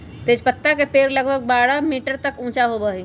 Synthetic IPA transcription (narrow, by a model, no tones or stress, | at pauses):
t̪eːd͡ʒpət̪ːakepeːɾlɐɡbʱəɡ̚baːɽamiːʈəɾt̪ɐkũːt͡ʃaɦobəi